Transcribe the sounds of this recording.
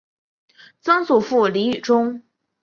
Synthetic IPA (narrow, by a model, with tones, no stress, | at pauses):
t͡sɤ˥ŋsu˨˩fu˥˩li˧˥y˨˩ʈ͡ʂʊ˥ŋ